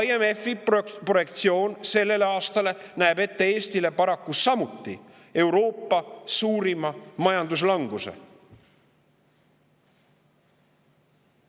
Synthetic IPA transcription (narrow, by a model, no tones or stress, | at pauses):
iemefipro̞je̞kt̪sio̞ːnse̞lːe̞leɑːst̪ɑle̞næebe̞t̪ːe̞e̞ːst̪ile̞pɑɾɑkːusɑmut̪ːi | e̞wɾo̞ːpˑːɑsuːɾimɑmɑjɑnd̪us̬lɑŋɡ̥use̞̰